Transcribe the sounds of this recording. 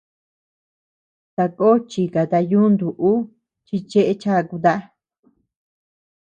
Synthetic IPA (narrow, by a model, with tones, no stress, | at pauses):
t̪a˧ko˦t͡ʃi˧ka˨t̪a˧ju˦nd̪u˨ʔu˦ | t͡ʃi˧t͡ʃe˦ʔe˧t͡ʃa˦˧ku˧t̪a˦ʔa˦